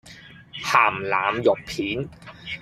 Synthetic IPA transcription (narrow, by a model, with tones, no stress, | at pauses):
hʰaː˨˩mlaː˩˦˥mjo˨˩pʰiː˩˦n